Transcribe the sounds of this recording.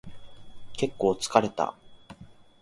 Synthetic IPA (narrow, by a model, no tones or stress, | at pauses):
ke̞kːo̞ːt͡sɨ̥kaɾe̞t̪a̰